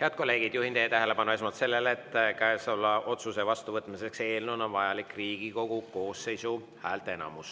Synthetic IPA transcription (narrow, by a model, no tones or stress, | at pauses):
heɑd̪̥̚ko̞lːe̞ːɡ̥id̪̥juhind̪ejːt̪æɦele̞pɑnue̞s̬mot̪se̞lːe̞let̪ːkæesɑlːɑʔo̞t̪suse̞vɑst̪uvɤt̪mise̞kse̞ːlnunonvɑjɑlikriːɡ̥iko̞ɡ̥uko̞ːsːe̞jsu | hæːlt̪ee̞nɑ̰mus